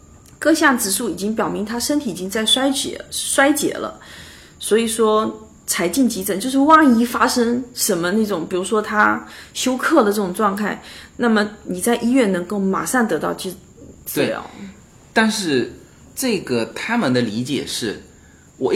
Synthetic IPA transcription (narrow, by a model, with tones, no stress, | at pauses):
kɤ˥˧ɕjɑ˥˩ŋt͡sɹ̩˨˩ʂu˥˩i˨˩t͡ɕi˥ŋpjɑ˨˩ʊmi˧˥ŋt̪ʰa˥ʂə˥nt̪ʰi˨˩i˨˩t͡ɕi˥ŋt͡sa˥˩ɪʂwa˥ɪt͡ɕɛ̰˨˩˥ʂwa˥ɪt͡ɕjɛ̰˨˩˦lə̰˦ | swɔ˧˥i˨˩ʂwɔ˥ | t͡sʰa˧˥ɪt͡ɕi˥˩nt͡ɕi˧˥t͡sə˨˩nt͡ɕo˥˧ʂɻ̩˥˧wɑ˥˩ŋi˥fa˥ʂə˥ŋʂə˧˥nmə˧na˥˩ʈ͡ʂʊ˨˩ŋpi˨˩ɻu˧˥ʂwɔ˥t̪ʰa˥ɕjo˥ʊkʰɤ˥˩d̪ə˩ʈ͡ʂɤ˥˩ʊ˨˩ŋʈ͡ʂwɑ˥˧ŋkʰa˥˩ɪna˥˩mə˩ni˨˩t͡sa˥˧ɪʔi˥ɥɛ˥˩nnɤ˧˥ŋko˥˩ʊma̰˨˩ʂɑ˥˩ŋt̪ɤ˧˥t̪ɑ˥˧ʊt͡ɕy˥˧ | t͡sɹ̩˥˧˩ljɑ̰˧˩˥ʊ | t̪a˥˧nʂɻ̩˥˧ | ʈ͡ʂɤ˥˩ɡə˩t̪ʰa˥mə˨nd̪ə˩li˧˥t͡ɕjɛ̰˨˩ʂɻ̩˥˩ | wɔ˨˩